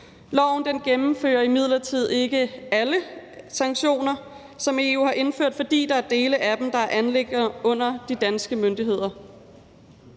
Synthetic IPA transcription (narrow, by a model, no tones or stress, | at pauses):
lɒʊ̰n̩d̥enɡ̥emm̩fø̰ːɐimið̰ˠlɐt͡sʰið̞̰ˠe̝ɡ̥əæləsɑ̈ŋɡ̥ɕo̝̰ːnɐ | sɒ̽me̝ːṵːhɑ̈ʔe̝nføɐ̰d̥fɒ̽d̥ḭːd̥ɑ̈æɐd̥e̝ːləʔæd̥em̩d̥ɑ̈æɐʔænleɡ̥ɐɔ̽n̰ɐd̥id̥ænsɡ̥əmønd̥iɦe̝ð̰ˠɐ